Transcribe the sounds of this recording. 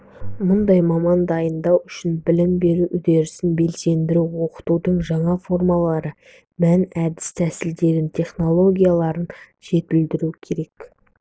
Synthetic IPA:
mʊnd̪ɑjmɑmɑnd̪ɑjənd̪ɑwʏʃɪnbɪlɪmbe̞ɾuʔʏd̪e̞ɾɪsɪnbe̞lse̞nd̪ɪɾuwo̞qə̥t̪ud̪əɴʒɑɴɑfo̞rmɑlˠɑɾə | mænæd̪ɪ̥st̪ʰæsɪld̪e̞ɾɪnt̪ʲʰe̞χno̞lˠo̞ɡʲijalˠɑɾən | ʒ̥e̞t̪̚ɪld̪ɪɾukʲʰe̞ɾe̞k

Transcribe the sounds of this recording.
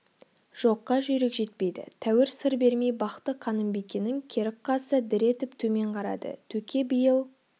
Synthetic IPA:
ʒ̥o̞qːɑʒʏjɾekʒe̞t̪pe̞jd̪ɪ̰t̪ʰæwɪɾsəɾbe̞ɾme̞jbɑqt̪əqʰɑnəmbekʲenɪŋkʲʰe̞ɾɪkqːɑsəd̪ɪɾe̞t̪ɪpt̪ʰɵme̞ɴqʰɑɾɑ̰d̪ə̰t̪ʰɵkʲʰe̞bijəlˠ

